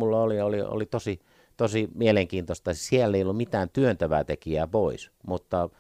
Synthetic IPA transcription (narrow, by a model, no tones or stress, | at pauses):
mulːɑoliolio̰lit̪osi | t̪osimieleŋkiːnt̪ost̪ɑsiælːeˑiolːummit̪æːnt̪yønt̪æʋæ̰ːt̪ekiæpoismut̪ːɑ